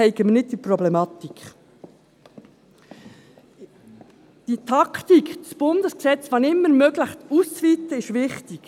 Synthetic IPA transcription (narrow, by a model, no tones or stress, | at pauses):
ɛɪɡəmənɪt̚d̥̪iprɔblɛmɑt̪ik | d̥it̪ʰɑkt̪ikdəsb̥ʊnd̥̪əsksɛt͡sʋɑnɪmːəɾmøːɡləxtust͡sviːt̪əɪʃvɪχtik